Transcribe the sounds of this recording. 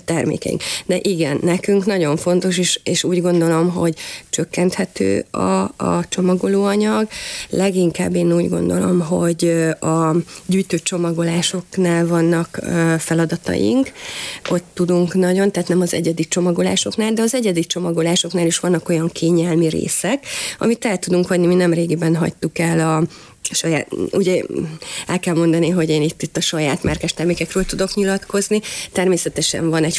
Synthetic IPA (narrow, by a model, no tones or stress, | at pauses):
t̪ɛrmḛːkɛ̰jḭŋkd̪ɛʔiɡɛnːɛkyŋknɒɟo̞ɱfo̞nt̪o̞ʃeːʃeːʃuːɟɡo̞nd̪o̞lo̞mɦo̞̰ɟt͡ʃøkːɛnt̪hɛt̪ø̰ːɒ̰t͡ʃo̞mɒɡo̞loːɒɲɒɡlɛɡiŋka̰ːbːeːnuːɟɡo̞̰nd̪o̞̰lo̞mɦo̞ɟɒɟyːjt̪øːt͡ʃo̞mɒɡo̞laːʃo̞knaːlvɒnːɒkːfɛlɒd̪ɒt̪ɒ̰jḭŋkot̪ːud̪uŋknɒɟo̞nt̪ɛɦːt̪nɛmɒzɛ̰ɟɛd̪it͡ʃo̞mɒɡo̞la̰ːʃo̞knaːld̪ɛɒzɛɟɛd̪it͡ʃo̞mɒɡo̞laːʃo̞knaːliʃʋɒnːɒko̞jɒŋkʰeːɲɛlmiɾḛːsɛkɒ̰mit̪ɛlt̪ud̪uŋkʋɒɟniminɛmreːɡibɛnɦɒ̰ct̪ukɛlɒ | ʃɒjaːuɟɛ | ɛlkɛlmo̞nd̪ɒniɦo̞ɟeːnit̪ːit̪ːɒʃɒjaːt̪mɛrkɛʃt̪ɛrmeːkɛkrøːlt̪ud̪o̞kɲilɒt̪ko̞znit̪ɛrmeːsɛt̪ɛʃɛ̰ɱvɒnɛɟ